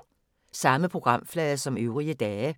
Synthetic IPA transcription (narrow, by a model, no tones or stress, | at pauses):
sɑ̈məpʰʁoɡ̥ʁɑ̈m̰flɛːəsɒ̽møʊʁiəd̥̪ɛːə